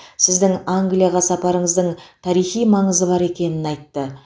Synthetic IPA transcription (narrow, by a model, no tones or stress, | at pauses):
sɪzd̪ɪŋaŋɡlijɑʁɑsɑpɑɾəɴəzd̪əɴt̪ʰɑɾijχijmɑɴəzəbɑɾe̞kʲe̞nɪnɑjt̪ːə